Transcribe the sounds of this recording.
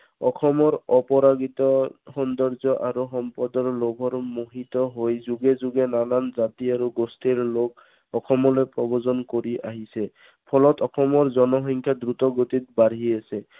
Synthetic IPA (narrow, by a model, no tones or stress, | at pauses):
ɔxʰɔmɔɹɔpɔɹaɡit̪ɔxɔnd̪ɔɹzɔʔaɹuxɔmpɔdɔɹlobʱɔɹmoɦitɔɦojzuɡɛzuɡɛnalanzat̪iaɹuɡostiɹlok̚ | ɔxʰɔmɔlojpɹɔbɔzɔnkoɹiʔa̰ɦisɛ | pʰɔlɔtɔkʰɔmɔɹzɔnɔxɔŋkʰjadɹut̪ɔɡot̪it̪̚baɾɦiasɛ